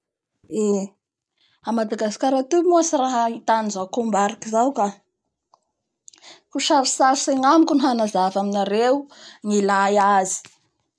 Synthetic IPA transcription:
e | amad̪aɡaskaɾat̪umuasiraɦəit̪anizakombaɾakizawka | kuʃaɾisaɾseŋamikʲunɦanazavaminaɾeuŋilajazi̥

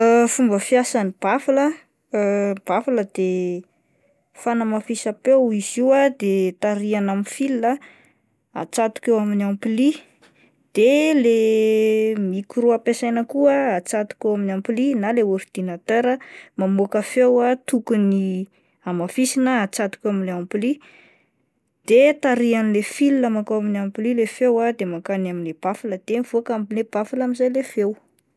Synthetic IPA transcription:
əfumbəfjasanib̥afalə | b̥afaləd̪̥e | fanamafisapewiziwad̪et̪aɾianaminfilːə | a̰t͡sat̪u̥kewaminampili | d̪̥ele | mikuɾuapesajnəkuəat͡sat̪u̥kewaminampilinaleoɾd̪̥inat̪eɾəmamokəfewat̪ukuni | amafisinəat͡sat̪u̥kewaminleampili | d̪̥et̪aɾianlefilinamakowaminampililefewad̪emakanaminleb̥afaləd̪̥evuakambileb̥afalamizajlefew

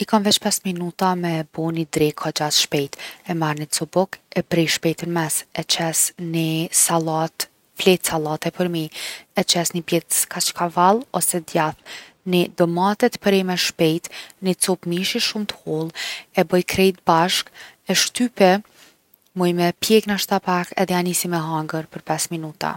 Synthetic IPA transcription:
ikanvɛt͡ʃpɛsminut̪amɛbɔnid̪ɾɛkʰad͡ʒaθʃpɛjt̪ɛmaɾnit͡sɔbɔkɛpɾɛʃpɛjt̪ənmɛsɛt͡ʃɛsnisalat̪ | flɛt̪salˠat̪ɛpəɾmiɛt͡ʃɛsnibjɛt̪kʰat͡ʃkʰavalˠɔsɛd̪jaθ | nid̪ɔmat̪ɛt̪pəɾɛmɛʃpɛjt̪nit͡sɔpmiʃiʃumt̪ə̥hɔlˠɛbəjkɾɛjt̪̚baʃkɛʃt̪ypɛ | mɔjmɛpjɛknaʃt̪apakɛ̰ðɛanisimɛɦaŋɡəɾpəɾpɛsminut̪a̰

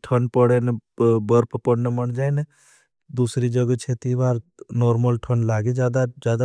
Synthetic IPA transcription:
ʈʰənpəɽenebəɾpʰpəɽnəməɳd͡ʒaːne | d̪usɾid͡ʒəɡət͡ʃʰet̪ibaːɾnoːɾməlʈʰənlaːɡed͡ʒad̪ad͡ʒaːd̪a

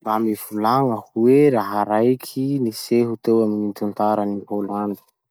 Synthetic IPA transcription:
bamivulaŋəhuweɾaɦaɾajkʲʰiniseɦut̪ewaminint̪unt̪aɾənipoland̪i̥

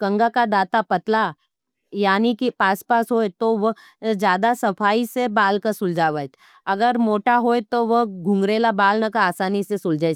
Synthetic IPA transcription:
kɐ̃ŋɡakad̪aːt̪apɐt̪la | jaːnikipaːspaːsɦoːet̪oʋə | d͡ʒjaːd̪asɐpʰaːisebaːlkasʊld͡ʒaːʋat̪ | ɐɡəɾmoːʈaɦoːet̪oʋəɡʱʊ̃ŋɡɾeːlabaːlnɐkaaːsaːnisesʊld͡ʒaː

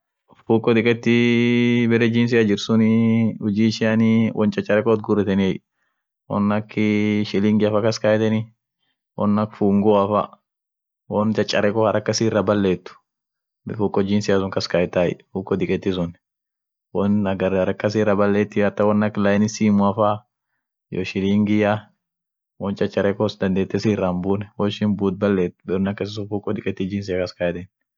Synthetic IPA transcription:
fuːkʼːɔd̪ɪkʼɛt̪ːɪ | bɛɾɛd͡ʒiːns̬ɪjad͡ʒɪɾsʊnɪʊd͡ʒiːʃɪanɪwʔɔ̰nt͡ʃʼɐt͡ʃʼːɐɾɛkɔt̪ɡʊɾɛt̪ɛnɪɛj | wɔ̰nːɐkːɪʃɪlɪŋɡɪɐfɐkɐskajt̪ɛnɪ | wɔ̰nːɐkfuːŋɡɔɐfɐ̰ | wɔnt͡ʃʼɐt͡ʃʼːɐɾɛkɔhɐɾɐkːɐsirːɐbɐlːeːt̪ːʊ̥ | bɪfukʼːɔd͡ʒinsɪjasʊŋkɐskɐjt̪ːaj̰fuːkʼːɔd̪ɪkʼɛt̪ːɪs̬ʊn | wɔnɐɡɐɾhɐɾɐkːɐs̬iːɾɐbɐlːeːt̪ːɪɐt̪ːɐwɔnːɐklɐjnɪsiːmʊɐfa | jɔ̰ʃɪliːŋɡɪja | wɔnt͡ʃːɐt͡ʃʼɐɾɛkɔsd̪ɐnd̪eːt̪ːɛsiːrːambuːnɛwɔʃɪnbuːt̪̚bɐlːeːt̪ːʊ̥bɛɾʊnɐkːɐs̬ɪsʊfukʼːɔd̪ɪkʼɛt̪ːɪd͡ʒiːns̬ɪjakɐskɐjt̪ɛn

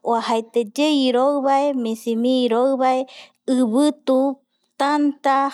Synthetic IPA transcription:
waɦajt̪ed͡ʒeiɾoɨβaemĩsimĩːɾoɨβae | ɨβɨt̪u | t̪ant̪a

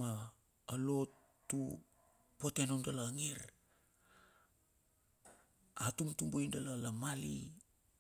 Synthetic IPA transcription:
ma | alo̞tː | ṵ | pote̞nondalaŋiɾ | atumtumboindalalamali

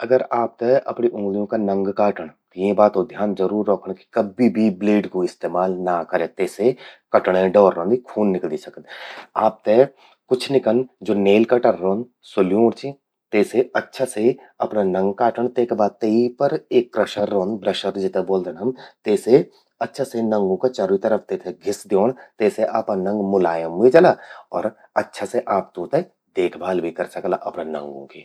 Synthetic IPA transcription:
ɐɡəɾaːp̚t̪eʔɐ̰pɽiʔʊ̃ːɡlijõkanɐ̃ŋɡkaːʈəɽ̃t̪jẽbaːt̪od̪ʱjaːnzəɾuːɾːɔːkʰəɳ̃ki̥kɐbibʱibleːɖkoɪst̪eːmaːlnakəɾẽːt̪eːsekɐʈɽ̃ẽɖɔːɾːõːnd̪ikʰuːnːɪkld̪isɐkət̪aːp̚t̪e | kʊt͡ʃʰnɪkənd͡ʒoːneːlkaʈəɾːoːn | sʊljõɾt͡ʃi | t̪eːseɐtːʃʰase | ɐpnanɐ̃ŋɡkaːʈʰəɳ̃t̪eːkbʱaːd̪̚t̪eipəɾeːkːɾɐʃəɾːõːnbɾɐʃəɾd͡ʒɪt̪eboːld̪ənɐmt̪eːse | ɐtːʃʰasenɐ̃ŋɡõket͡ʃɐɾit̪ɐɾəfʰt̪et̪ʰeɡʱɪsd̪joːɽ̃t̪eːseʔaːpanɐ̃ŋɡmʊlaːjəmːid͡ʒɐlaɔːɾ | ɐtːʃʰaseʔaːp̚t̪õt̪e | d̪eːkʰbʱaːlbʱikɐɾsɐklaʔɐpnanɐ̰̃ŋɡõ̰keː

